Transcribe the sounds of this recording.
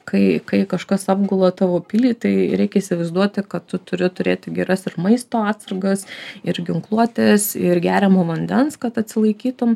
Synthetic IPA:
kɐɪkɐɪkɐʃkɐsɑːb̚ɡʊlˠɐt̪ɑːʋoːpʲɪlʲiːt̪ɐɪɾʲɛɪkʲɛiːsʲɪʋɐɪzd̪uɔt̪ʲɪkɐttʊt̪ʊɾʲɪt̪ʊɾʲeːt̪ʲɪɡʲɛɾɐsɪɾmɐɪst̪oːɑːt̪sɐɾɡɐsɪɾɡʲɪŋklˠuɔt̪ʲesɪrɡʲæːɾʲɛmoːʋɐnʲd̪ʲɛnskɐt̪ɐt̪ʲsʲɪlˠɐɪkʲiːt̪ʊm

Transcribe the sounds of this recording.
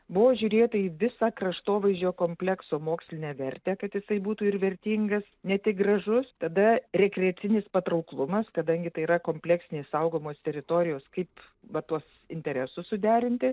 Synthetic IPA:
bʊʋoːʒʲuːɾʲeːt̪ɐiːʋʲɪsɑːkrɐʃt̪oːʋɐɪʒʲd͡ʒʲoːkoːmʲpʲlʲɛksoːmoːksʲlʲɪnʲeːʋʲɛɾʲt̪ʲɛkɐt̪jɪsɐɪbuːt̪uːɪrʋʲɛɾʲt̪ʲiːŋɡɐsnʲɛt̪ʲɪk̚ɡrɐʒʊst̪ɐd̪ɐɾʲɛkɾʲɛɐt͡s̪ʲɪnʲɪspɐt̪ɾɐʊklˠʊmɐskɐd̪ɐŋʲɡʲɪt̪ɐɪiɾɐkoːmʲpʲlʲɛksʲɪnʲeːssɐʊɡoːmoːst̪ʲɛɾʲɪt̪oːɾʲɪjoːskɐɪp | ʋɐt̪uɔs | ɪnʲt̪ʲɛɾʲɛsʊssʊd̪ʲæːɾʲɪnʲt̪ʲɪ

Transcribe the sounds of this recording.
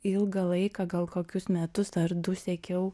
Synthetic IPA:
ɪlˠɡɐlˠɐɪkɐɡɐlˠkoːkʲʊsmʲɛt̪ʊsɐɾd̪ʊsʲɛkʲɛʊ

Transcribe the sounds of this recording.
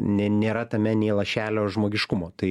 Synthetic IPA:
nʲɛnʲeːɾɐt̪ɐmʲɛnʲɛɪlˠɐʃʲæːlʲoːʒmoːɡʲɪʃkʊmoːt̪ɐɪ

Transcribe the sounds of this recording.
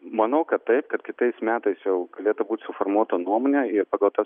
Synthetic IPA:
mɐnɐʊkɐt̪t̪ɐɪpkɐt̪kʲɪt̪ɐɪsmʲæːt̪ɐɪsjɛʊɡɐlʲeːt̪ʊbuːt̪ʲsʊfoːrmuɔt̪onuɔmoːnʲɛɪrpɑːɡɐlˠt̪ɐs

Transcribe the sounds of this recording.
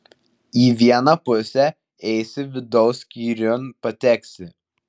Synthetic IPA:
iːʋʲiɛnɐpʊsʲɛ | ɛɪsʲɪʋʲɪd̪ɔʊsʲkʲiːɾʲonpɐt̪ʲɛksʲɪ

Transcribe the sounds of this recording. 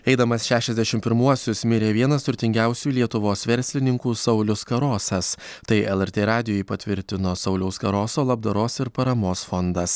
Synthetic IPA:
ɛɪd̪ɐmɐsʃʲæːʃʲɛzʲd̪ʲæɛʃʲɪmpʲɪɾmuɔsʲʊsmʲɪɾʲeːʋʲiɛnɐst̪ʊɾʲt̪ʲɪŋʲɡʲæˑʊsʲuːlʲiɛt̪ʊʋoːsʋʲɛɾʲsʲlʲɪnʲɪŋkuːsɐʊlʲʊskɐɾoːsɐst̪ɐɪɛlˠɛɾʲt̪ʲeːɾɑːd̪ʲɪjoːjɪpɐt̪ʲʋʲɪɾʲt̪ʲɪnoːsɒʊlʲɛʊskɐɾoːsoːlˠɐb̚d̪ɐɾoːsɪɾpɐɾɐmoːsfɔnd̪ɐs

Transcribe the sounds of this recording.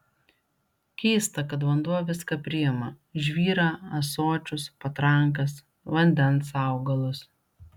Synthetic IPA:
kʲɛɪst̪ɐkɐt̪ʋɐnd̪uɔʋʲɪskɐpʲɾʲɪjɪmɐ | ʒʲʋʲiːɾɑːɐsoːt͡ʃʲʊspɐt̪ɾɐŋˑk̬ɐs | ʋɐnʲd̪ʲɛnsɑˑʊɡɐlˠʊs

